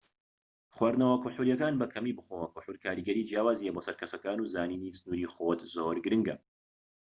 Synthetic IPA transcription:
χwaːɾd̪nɐwɐkuħuljɐkaːnbɐkʰɐmiːbɨχowɐkuħulkʰaːɾiɡɐɾiːd͡ʒjaːwaːzijeboːsɐɾkʰɐsɐkaːnuːzaːniːnisɨnuːɾiːχot̪zoːɾɡɨɾɨŋɡɐ

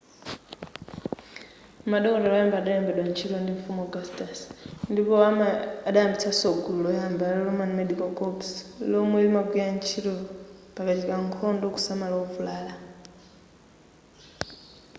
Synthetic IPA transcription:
maɗɔkɔɾalajambaɗajɔmbɛɗwant͡ʃʰiɾɔndiɱfumɔɡastasndipɔaaɗajambit͡sʰasɔɡululɔjambalɔlɔmanmɛdikɔkɔpslɔmwɛlimaɡwiant͡ʃʰiɾɔpakat͡ʃikaŋkʰɔndɔku̥samalaɔvulaːla

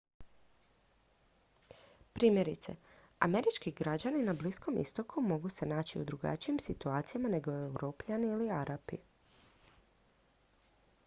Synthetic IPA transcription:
pɾiːmje̞ɾit̪se̞̰ | a̰me̞ɾit͡ʃkiɡɾad͡ʑaninablisko̞mʔḭst̪o̞kʰumo̞ɡuse̞naːt͡ɕiṵd̪ɾuɡa̰t͡ʃijimsit̪uaːt̪sijamane̞ɡo̞ewɾo̞ːpʎaniiliaɾapḭ

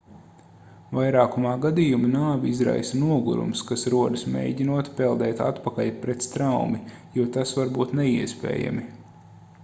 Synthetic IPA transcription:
vajɾaːkumaːɡad̪ijuminaːviizɾa̰jsɐnuɔɡṵɾṵmskasɾuɔd̪ɨsmʲḛːjɟʲinuɔt̪pɛlˠd̪ɛːt̪a̰t̪pakaʎpɾɛt̪st̪ɾawmijuɔt̪asvaɾbuːt̪nɛiɛspɛ̰ːja̰mi

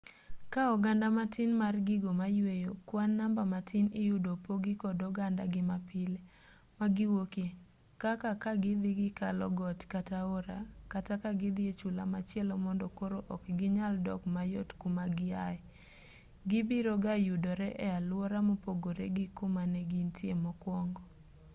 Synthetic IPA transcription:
kaɔɡandamatɪnmarɡɪɡomajwejokwanːambamatɪnɪjudopoɡɪkɔdɔɡandaɡɪmapɪle | maɡɪwoki | kakakaɡɪd̪ɪɡɪkalɔɡɔtkataoɾakatakaɡɪd̪ɪet͡ʃulamat͡ʃjɛlɔmɔndɔkoɾoʔɔkɡɪɲaldɔ̰kmajotkumaɡɪaɛ | ɡɪbiɾoɡajudoɾɛʔɛalwɔɾamɔpoɡoɾḛɡɪkʊmanɛɡintʰjemɔkwɔŋɡɔ

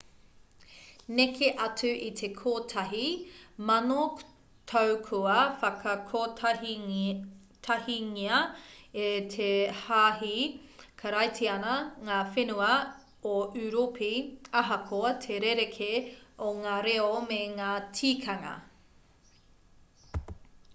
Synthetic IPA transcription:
nekʰeʔɐtʉʔitʰekʰoːtʰɐɦimɐno | tʰɐwkʰuɐfɐkʰɐkʰoː | tʰɐhiŋiɐetʰehaːɦikʰɐɾɐjtʰiɐnɐŋaːfenuɐ | oʔʉɾopʰiɐɦɐkʰoɐtʰeɾeɾekʰeoŋaːɾeomeŋaːtʰiːkʰɐŋɐ̰

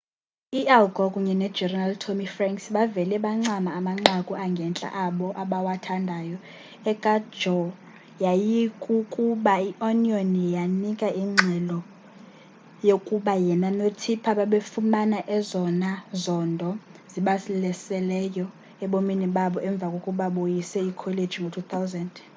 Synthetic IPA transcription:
ialɡʱɔkʼuɲɛnɛ̥d͡ʒɛraltʰomifraŋksɓavɛlɛɓaŋ͡ǁamaːmaŋ͡ǁakʼuaŋɡʱɛnt͡ɬʼa̰ʔaɓɔʔaɓawatʰandʱaːjɔ | ɛkʼḁd͡ʒɔ | jajikʼukʼuɓaiʔɔnionijanikʼaiŋ͡ǁʱɛlɔ | jokʼuɓajɛnanotʰipʰaɓaɓefumanaʔɛzɔnazɔndʱɔziɓasilɛsɛlɛjɔ | ɛɓominiɓaɓɔʔɛɱb̪vʱakʼokʼuɓaɓojisɛikʰɔled̥d͡ʒʱiŋɡʱotʰut̪ʰawzɛnd

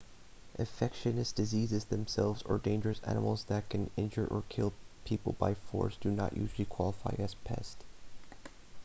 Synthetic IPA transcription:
ʔɨ̃ɱfɛkʃɨnɨsd̥ɨzizɨzðɨ̃msɛlˠvzə̰˞dẽɪ̃nd͡ʒə˞ɨsæ̰nəml̩ˠzðɨt̚kʰɨ̃nɪ̃nd͡ʒə˞ʔə̰˞kʰɪlˠpʰipl̩ˠba̰ɪfɔ̰ɹsd̥ɨnə̰ʔjʔʉ̰ʒl̩ˠikʰw̥ɑlˠəfaɪɨz̥pʰɛ̰st

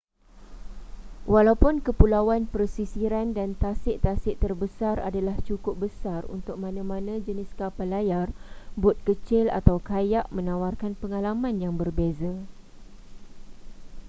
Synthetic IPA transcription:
walawpʊnkəpulawanpərsisiɾandant̪asɪʔt̪asɪʔt̪ərbəsara̰dalaht͡ʃukʊp̚bəsarṵnt̪ʊk̚mãnãmãnãd͡ʒənɪskapalajarbʊt̪̚kət͡ʃɪla̰t̪awkajaʔmə̃nawarkanpəŋalamãnjaŋbərbeza

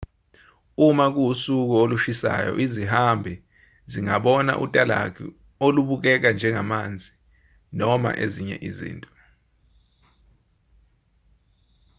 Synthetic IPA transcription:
umak̬ujusuk̬ɔoluʃisa̰jɔ̰ʔizihambʱɛ | ziŋaɓɔna̰ʔṵtʼala̰kʰḭ | oluɓuk̬ɛk̬and͡ʒʱɛŋamand͡zʱi | nɔma̰ʔeziɲɛ̰ʔizḭːntʼɔ

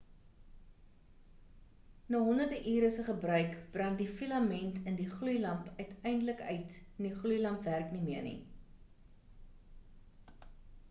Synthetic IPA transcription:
nɑːɦɔndərdəʔiːɾəsəχəbrœɥkb̥rɐŋdifilɐmɛntʰəndiχlujlɐmpœɥtʰɛjndələkœ̰ɥtndiχlujlɐmpværknimiərnḭ

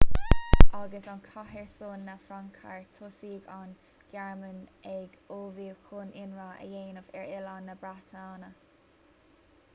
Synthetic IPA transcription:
ʔaɡəsankʰaɦɛɹsoːnːafɾaŋkʰa̰ɹt̪ʰosiːɡan | ɡ̥aɹmənɛɡoːviːkʰuːnɪnɹaːə̰jeːnəfɛɹɪlanːəbɾat̪ʰaːnə

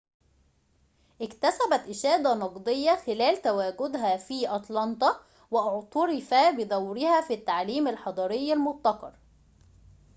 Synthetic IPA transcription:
ʔɪkt̪æsæbæt̪ʔɪʃæːd̪ænɑqd̪ˤejːɑxɪlæːlt̪æwæːɡʊd̪ɦæːfiːʔɑt̪ˤlɑnt̪ˤɑ | wɪʔʊʕt̪ˤɑɾɪfæbɪd̪æwɾɪhæfit̪ːaʕliːmalħɑd̪ˤɑːɾɪjːalmʊt̪ˤːɑqɑ̰ɾˤ

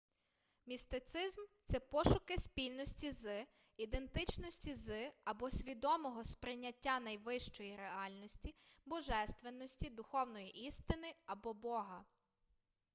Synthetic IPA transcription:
mʲist̪ɪt̪sɪzmt̪sɛpɔʃʊkɪspʲilʲnɔsʲtʲizɪ | id̪e̞nt̪ɪt͡ʃnɔsʲtʲizɪɐbɔsʲʋʲid̪ɔmɔɦɔspɾɪjnʲːɐtʲːanɐjʋɪʃt͡ʃɔjiɾeɑlʲnɔsʲtʲibɔʒɛst̪ʋenːɔsʲtʲid̪ʊxɔwnɔjiʔist̪ɪnɪɐbɔbɔɦɐ

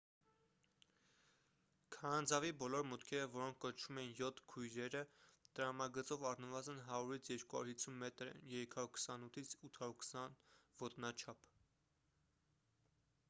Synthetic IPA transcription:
kʰɑnɑnd͡zɑvibɔlɔɾmut̪kʰɛɾəvɔɾɔŋkʰːɔnt͡ʃʰumɛnjɔt̪ʰkʰujɾɛɾət̪əɾɑmɑɡət͡sɔvɑrnəvɑzənɦɑɾuɾit͡sʰjɛɾkuhɑ̰uɾhisʰunmɛt̪ɾə̰jɛɾɛkʰɑuɾkʰə̥sɑnut̪ʰit͡sʰut̪ʰɑɾuɾkʰə̥sɑnvɔt̪nɑt͡ʃʰɑpʰ

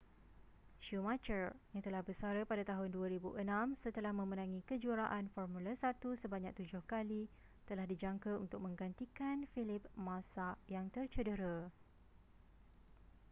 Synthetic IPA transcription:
ʃumat͡ʃərjaŋt̪əlahbəsaɾəpadat̪aɦʊnduaɾibuʔənãmsət̪əlahmə̃mənãŋĩkəd͡ʒuaɾaʔanfɔrmũlasat̪usəbaɲak̚t̪ud͡ʒʊhkali | t̪əlahdid͡ʒaŋkaunt̪ʊk̚mə̃ŋɡant̪ikanfilɪp̚mãsajaŋt̪ərt͡ʃədəɾə

